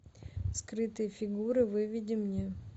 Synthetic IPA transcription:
skɾɨt̪ɨjəfʲɪɡuɾɨvɨvʲidʲɪmnʲe

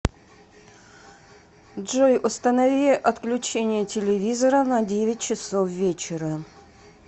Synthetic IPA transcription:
dʐojʔʊst̪ənɐvʲiɪʔɐt̪klʲʉt͡ɕenʲɪjətʲɪlʲɪvʲizəɾənɐdʲevʲɪt̚ʲt͡ɕɪsofvʲet͡ɕɪɾə

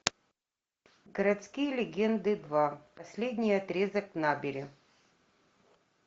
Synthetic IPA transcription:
ɡəɾɐt̪skʲijəlʲɪɡʲend̪ɨd̪vapɐsʲlʲedʲnʲɪjɐt̪ɾʲezəknabʲɪɾʲɪ

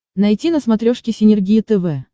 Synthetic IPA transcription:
nɐjtʲinəsmɐt̪ɾʲoʂkʲɪsʲɪnʲɪrɡʲijɪt̪ɛvɛ

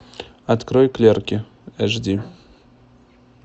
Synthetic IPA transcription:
ɐt̪kɾɔjklʲerkʲɪ | ɛʐdʲi

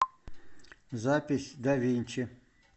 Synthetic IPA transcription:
zapʲɪsʲd̪ɐʋʲinʲt͡ʃɪ

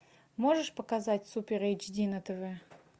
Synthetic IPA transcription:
moʐɨʂpəkazatʲsupʲeɾet͡ʃdʲinət̪ɨvɛ

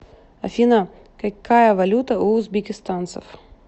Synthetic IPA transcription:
ɐfʲinɐ | kɐkːajɐvɐlʲut̪ɐuːzbʲɪkʲɪst̪ant̪sɐ̰f

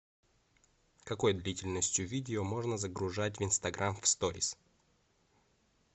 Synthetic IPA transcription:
kɐko̞jd̪lʲitʲɪlʲnəsʲtʲjʊvʲidʲɪomo̞ʐnəzəɡɾʊʐatʲvɨnst̪ɐɡɾʔamfst̪oɾʲɪ̰s

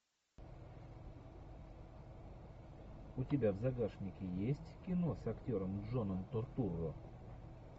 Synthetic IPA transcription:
ʊtʲɪbʲavzɐɡaʂnʲɪkʲɪjesʲtʲkʲɪno̞sɐktʲoɾəmʐonəmt̪ort̪uro

